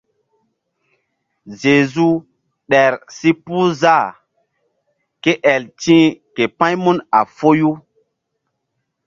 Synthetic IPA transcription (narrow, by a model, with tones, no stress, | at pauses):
ze˨zu˦ | ɗɛ˨ɾsi˦pu˦za˦˨ | ke˦ʔɛ˨ltĩ˦ke˨pã˦jmu˦na̰˨fo˦ju˦